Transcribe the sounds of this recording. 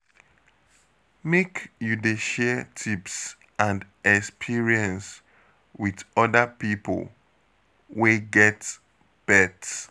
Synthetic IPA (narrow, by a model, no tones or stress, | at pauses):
mekjudeʃɛtʰips | ãnd | ɛkspʰiɹiɛ̃ns | wiðɔdəpipə̰l | weɡɛt | b̥ɛt